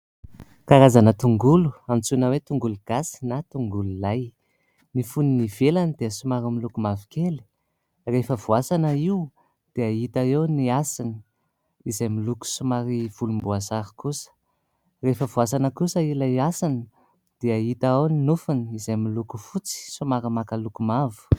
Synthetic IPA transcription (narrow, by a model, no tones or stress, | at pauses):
kaɾazanət̪uŋɡuluamit͡sunəwet̪uŋɡuluɡ̥asi̥nat̪uŋɡululaj | nifuniniv̥elanid̪̥eəsumaɾimilukumavi̥keli̥ | refəvuasanəiw | d̪̥eait̪aewniasini̥ | izajmiluku̥sumaɾiv̥ulumbuasaɾi̥kusə̥ | refəvuas̬anəkusəilaasani | d̪̥eait̪aawninufuniizajmilukufut͡si̥sumaɾəmakalukumavu̥